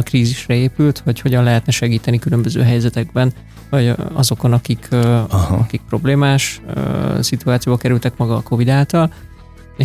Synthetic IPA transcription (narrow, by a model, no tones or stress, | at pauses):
ɒkriːziʃrɛeːpylt̪hɒcho̞ɟɒnlɛɦɛt̪nɛʃɛɡiːt̪ɛnikylø̞mbøzø̰ːɦɛjzɛt̪ɛɡ̚bɛn | vɒɟɒ̰zo̞ko̞nɒkikʰː | ɒkik̚pro̞bleːmaːʃ | sit̪uaːt̪sijoːbɒkɛɾylt̪ɛkmɒɡɒːko̞vid̪aːlt̪ɒl | e